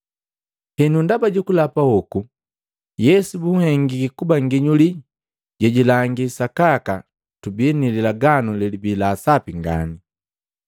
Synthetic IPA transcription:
hɛnundabaɟukulapahɔku | jɛsubuhɛŋɡikikubaŋɡiɲuli | ɟɛɟilaŋɡisakaka | tubinililaɡanulɛlibilaːsapiŋɡa̰ni

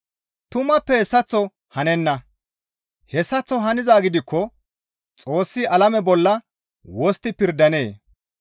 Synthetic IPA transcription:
t̪ʊmɐpːɛhɛsːɐt͡sːɔ | hɐnɛnːɐ | hɛsːɐt͡sːɔɦɐnɪzaːɡɪd̪ɪkːɔ | t͡sʼo̞ːsːɪʔɐlɐmɛbɔlːɐ | wɔst̪ːɪpɪɾd̪ɐne̞ː

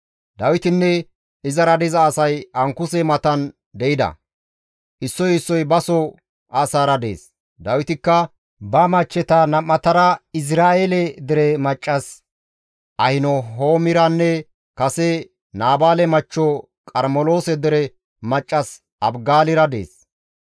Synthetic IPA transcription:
d̪ɐwɪt̪ɪnːɛ | ɪzɐɾɐd̪ɪzɐːsɐjɐŋkʊsɛmɐt̪ɐn | d̪ɛʔɪd̪ɐ̰ | ʔɪsːɔjɪsːɔjbɐsɔ | ʔasaːɾɐd̪e̞̰ːs | d̪ɐwɪt̪ɪkːɐ | bɐmɐt͡ʃːɛt̪ɐnɐmːɐt̪ɐɾɐɪs̬ɾaːʔelɛd̪ɪɾɛmɐt͡ʃʼːɐs | ʔɐhɪnɔɦoːmɪɾɐnːɛ | kɐsɛ | naːbaːlɛmɐt͡ʃːɔ | kʼɐɾmɔlo̞ːsɛd̪ɪɾɛ | mɐt͡ʃʼːɐs | ʔɐbɡaːlɪɾɐd̪ḛːs

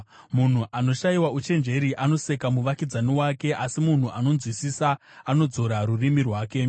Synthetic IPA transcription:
mun̤uʔano̞ʃaiwaut͡ʃe̞nd͡ʒe̞ɾiʔano̞se̞kamuʋakid͡zaniwake̞ʔasimun̤uʔano̞nzwisisaː | no̞d͡zo̞ɾaɾurimirwaːke̞

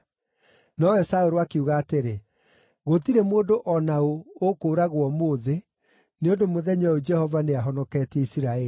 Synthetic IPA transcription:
nɔwɛsaoɾoakeuɣaːteɾe | ɣotiɾemoːdoʔɔnaookoːɾaɣwɔmoːðe | neondomoðɛɲɔod͡ʒɛhɔvaneaɦɔnɔkɛːtɛisiɾaɛi

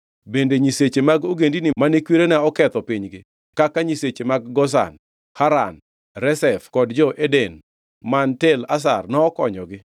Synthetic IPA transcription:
bendeɲiset͡ʃemaɡoɡendinɪmanekwiɾenɛɔkɛt̪ɔpiɲɡɪ | kakaɲiset͡ʃemaɡɡɔs̬a̰n | haɾa̰n | ɾɛsɛfkɔdd͡ʒɔʔeden | mantelas̬a̰rnɔːkɔ̰ɲɔɡɪ

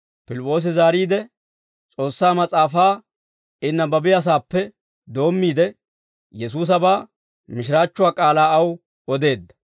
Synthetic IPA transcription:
pɪlɪpʼːo̞ːs̬ɪzaːɾiːd̪ɛ | t͡sʼo̞ːsːaːmɐt͡sʼaːfaː | ɪnːɐbɐbɪjɐs̬aːpːɛ | d̪o̞ːmːiːd̪ɛ | jɛs̬uːs̬ɐbaː | mɪʃɪɾaːt͡ʃːʊwaːkʼaːlaːɐw | ɔd̪e̞ːd̪ːɐ̥

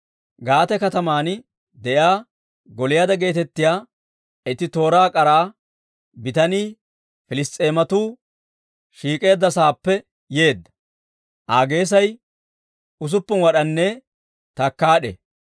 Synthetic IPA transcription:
ɡaːt̪ɛkɐt̪ɐmaːn | d̪ɛjaː | ɡɔlɪjaːd̪ɐɡe̞ːt̪ɛt̪ːɪjaː | ɛt̪ɪt̪o̞ːɾaːkʼɐɾaː | bɪt̪ɐniː | fɪlɪst̪ʼːeːmɐt̪uː | ʃiːkʼe̞ːd̪ːɐsaːpːɛ | je̞ːd̪ːɐ̥ | ʔaːɡe̞ːs̬ɐj | ʊs̬ʊpːʊnwɐɗɐnːɛ | t̪ɐkːaːɗḛ

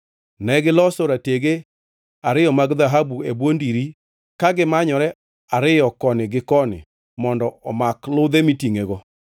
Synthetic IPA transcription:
nɛɡɪlɔsɔɾateɡe | aɾɪjɔmaɡðaɦabuebwondiɾi | kaɡɪmaɲɔɾɛ | aɾɪjɔkɔnɪɡɪkɔnɪ̰ | mɔndɔɔmaklʊd̪emitiŋeɡɔ

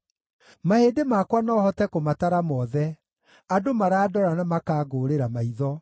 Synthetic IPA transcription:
mahedemakwanɔhɔtɛkomataɾamɔðɛ | adomaɾaːdɔɾanamakaɡoːɾeɾamaiðɔ

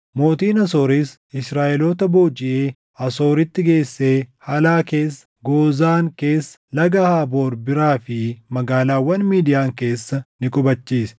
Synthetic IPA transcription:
mo̞ːt̪iːnɐso̞ːɾiːs | ɪsɾaːʔɛloːt̪ɐboːd͡ʒɪʔeː | ɐso̞ːɾɪt̪ːɪɡe̞ːsːe̞ːhɐlaːke̞ːsːɐ̥ɡo̞ːzaːŋke̞ːsːɐ̥lɐɡɐhaːbo̞ːɾbɪɾaːfɪmɐɡaːlaːwɐnmiːd̪ɪjaːŋke̞ːsːɐnɪkʼʊbɐt͡ʃːiːsɛ̥

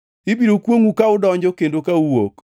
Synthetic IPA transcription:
ɪbiɾokwoŋukaʊdɔɲd͡ʒɔkendokauwok

